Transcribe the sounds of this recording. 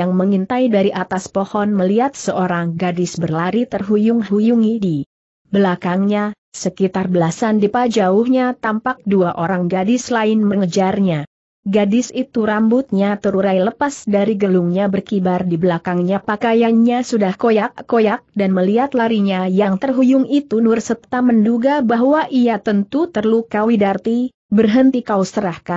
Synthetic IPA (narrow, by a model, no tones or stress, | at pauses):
jaŋməŋint̪ajdaɾiʔat̪aspohɔnməliat̪̚səʔoɾaŋɡadɪsbərlaɾit̪ərɦujʊŋhujuŋidi | bəlakaŋɲa | səkit̪arbəlasandipad͡ʒaʊhɲat̪ampak̚duaʔoɾaŋɡadɪslaɪnməŋəd͡ʒarɲa | ɡadɪsit̪uɾambʊt̪̚ɲat̪əɾuɾajləpasdaɾiɡəluŋɲabərkibardibəlakaŋɲapakajanɲasudahkojakːojak̚danməliat̪laɾiɲajaŋt̪ərɦujʊŋit̪unʊrsət̪amənduɡabaɦwaʔiat̪ənt̪ut̪ərlukawidart̪i | bərɦənt̪ikaust̪əɾahka